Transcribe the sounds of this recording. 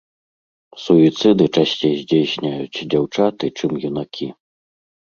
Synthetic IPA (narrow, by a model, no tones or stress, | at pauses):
suit̪sɨd̪ɨt͡ʂasʲt͡sʲejzʲd͡zʲejsʲnʲajut͡sʲd͡zʲawt͡ʂat̪ɨt͡ʂɨmjunakʲʰi